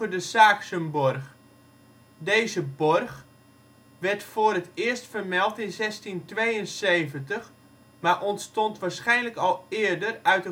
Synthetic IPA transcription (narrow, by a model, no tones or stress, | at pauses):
ədəsaːksənbɔrx | deːzəbɔrx | ʋɛrtfoːɾətɪəstfərmɛlˠtɪnzɛstintʋejənseːvəntəx | maʔɔntstɔntʋaːɹsχɛjnləkɔlˠɪːərdərœɥtə